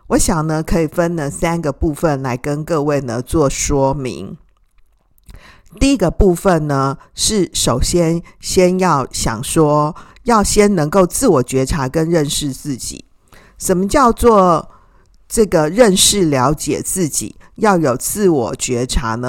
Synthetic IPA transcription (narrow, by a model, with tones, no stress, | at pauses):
wɔ˧˦ɕjɑ˨˩ŋnə˦kʰɤ˧˥i˨˩fə˦nnə˨˦sa˥nɡə˨pu˥˧fə˥˨nla˧˥ɪkə˦nkɤ˥˧we˥˩ɪnə˩t͡swɔ˥˩ʂwɔ˥mḭ˧˥ŋ | t̪i˥˩i˥ɡə˨pu˥˧fə˨nnə˩ʂɻ̩˥˩ʂo˨˩ʊɕjɛ˦˥nɕjɛ˥njɑ˥˩ʊɕjɑ̰˨˩ŋʂwɔ˥ | jɑ˥˩ʊɕjɛ˥nnə˧˥ŋko˥˧ʊt͡sɹ̩˥˩wɔ˨˩t͡ɕɥɛ˧˥ʈ͡ʂʰa˧˥kə˦nɻə˥˧nʂɻ̩˥˧t͡sɹ̩˥˩t͡ɕḭ˨˩˦ | ʂə˨˩nmə˦t͡ɕjɑ˥˧ʊt͡swɔ˥˧ | ʈ͡ʂɤ˥˩ɡə˩ɻə˥˧nʂɻ̩˥˩ljɑ˧˥ʊt͡ɕjɛ̰˨˩t͡sɹ̩˥˩t͡ɕḭ˨˩˦jɑ˥˩ʊjo˨˩ʊt͡sɹ̩˥˩wɔ˨˩t͡ɕɥɛ˧˥ʈ͡ʂʰa˧˥nə˦